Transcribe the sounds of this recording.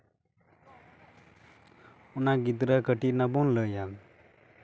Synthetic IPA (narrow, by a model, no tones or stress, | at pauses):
unaɡit̪ɾakəʈinabunləjam